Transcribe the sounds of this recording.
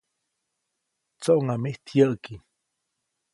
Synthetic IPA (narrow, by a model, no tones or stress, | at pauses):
t͡soʔoŋameht̪ʰjəʔki